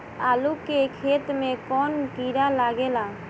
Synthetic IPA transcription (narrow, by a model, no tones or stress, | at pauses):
alukekʰet̪mekɔnkiɾalaɡela